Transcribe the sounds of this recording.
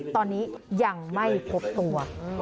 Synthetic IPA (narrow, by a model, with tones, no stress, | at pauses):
t̪ɔː˧nːiː˦˥ja˧ŋma˥˩jpʰo˦˥p̚t̪u˧ɐ